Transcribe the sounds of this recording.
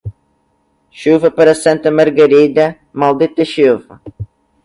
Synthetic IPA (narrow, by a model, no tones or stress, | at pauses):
ʃuvɐpɐɾɐsɐ̃nt̪ɐmɐɾɡɐɾid̪ɐ | malˠd̪it̪ɐʃuvɐ